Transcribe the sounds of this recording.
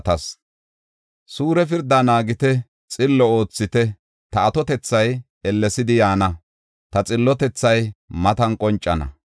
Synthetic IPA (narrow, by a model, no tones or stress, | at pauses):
t̪ɐs | suːɾɛfɪɾd̪anaːɡɪt̪ɛ | t͡sʼɪlːɔo̞ːt͡sːɪt̪ɛ | t̪ɐːt̪ɔt̪ɛt͡sːɐj | ɛlːɛsɪd̪ɪjaːnɐ | t̪ɐt͡sʼɪlːɔt̪ɛt͡sːɐjmɐt̪ɐnkʼɔnt͡ʃʼːɐnɐ̰